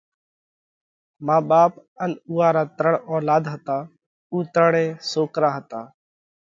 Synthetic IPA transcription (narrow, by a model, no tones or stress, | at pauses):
maːɓaːpənuːaːɾaːt̪ɾəɳɔːlaːd̪ɦət̪aː | uːt̪ɾəɳẽːsoːkɾaːɦət̪aː